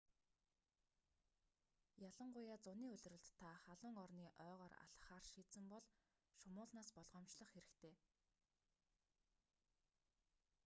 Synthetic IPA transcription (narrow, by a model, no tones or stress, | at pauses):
jaɮə̆ɴɢʊjaːt͡sʊniːɵɮ̆rɵ̆ɮt̪ʰːaχaɮʊ̆ːŋɔrniːʔœːʁɔːra̰ɮχaːrʃiːsɘ̆mpɔɮ | ʃʊmʊːɮnaːspɔɮʁɔːmt͡ɕɮə̆χxeɾɘ̆kt̪ʰeː